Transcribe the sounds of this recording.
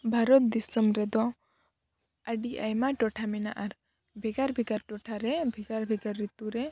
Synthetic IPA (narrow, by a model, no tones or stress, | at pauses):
bʱaɾɔt̪̚d̪isɔmɾɛd̪ɔ | aɖia̰jmaʈɔʈʰamina̰ʔaɾ | bʱɛɡaɾbʱiɡaɾʈɔʈʰaɾɛbʱiɡaɾbʱiɡaɾːit̪uɾɛ